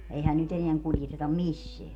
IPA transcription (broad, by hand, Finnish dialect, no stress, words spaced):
eihæn nyt eneæŋ kuljetetɑm misːeæ